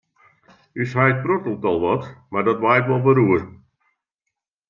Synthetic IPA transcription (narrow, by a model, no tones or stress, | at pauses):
yshajt̚protəl̩ˠtɔlˠʋɔtmardɔtʋajtʋɔlˠbəɾuər